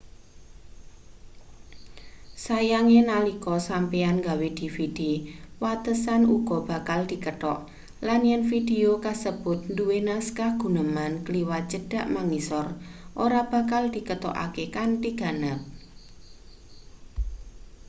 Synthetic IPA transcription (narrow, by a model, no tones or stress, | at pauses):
sajaŋenalikɔsampeanŋɡawed̪̥i̤fid̥iwat̪əsanuɡ̥ɔ̤b̥a̤kald̪̥i̤kət̪ɔ̰ʔ | lanjɛnfid̥eokasəb̥ʊt̪̚nduwenaskahɡ̥ṳnəmankliwat͡ʃəd̥a̤ʔmaŋisɔrʔoɾab̥a̤kald̪̥i̤kət̪ɔ̰ʔa̰kekant̪iɡ̥a̤nəp̚